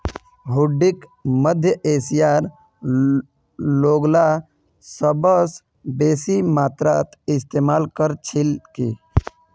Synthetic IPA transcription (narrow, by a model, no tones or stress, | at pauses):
ɦuɖːikməd̪ʱjəʔeːsijaːɾ | loːɡla | səbəs | beːsimaːt̪ɾat̪ɪst̪eːmaːlkəɾt͡ʃʰilkḛ